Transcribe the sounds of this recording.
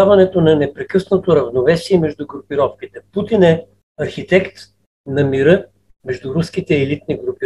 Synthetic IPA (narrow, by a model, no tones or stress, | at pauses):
avɐnɛt̪onɐnɛpɾɛkɤsnot̪oɾɐvnovɛsiɛmɛʒd̪uɡɾʊpiɾɔfkit̪ɛput̪inɛ | ɐɾxit̪ɛkt̪ | nɐmiɾɤ | mɛʒd̪ʊɾuskit̪ɛːlit̪niɡɾup